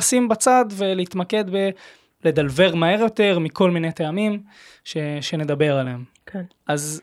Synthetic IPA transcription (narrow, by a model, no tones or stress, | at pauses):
simbat͡sad̪ve̞leit̪make̞d̪be | le̞d̪alve̞ʁmae̞ʁjo̞te̞ʁmiko̞lmine̞t̪eamim | ʃeʃe̞ne̞d̪abe̞ʁalem | kenʔaz